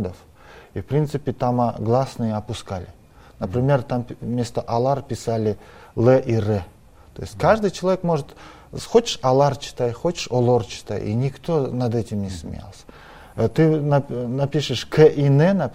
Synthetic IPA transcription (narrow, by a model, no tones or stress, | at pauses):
d̪əf | ifpɾʲint̪sɨpʲɪt̪amaɡlˠasnɨjəɐpʊskalʲɪ | nəpɾʲɪmʲe̞rt̪ammʲe̞st̪əʔɐlˠarpʲɪsalʲɪlˠɛʔirɛ | t̪o̞jɪsʲtʲkaʐd̪ɨjt͡ɕɪlˠɐvʲekmo̞ʐɨt̪ | xo̞t͡ɕɪ̥ʂɐlˠart͡ɕɪ̥t̪ajxot͡ɕɪ̥ʂolˠort͡ɕɪ̥t̪a̰jḭnʲɪkt̪o̞nɐd̪ɛtʲɪmnʲɪsmʲɪ̰ja̰lˠsʲə̥ | t̪ɨnɐnɐpʲiʂɨʂkʰɛʔinɛnɐ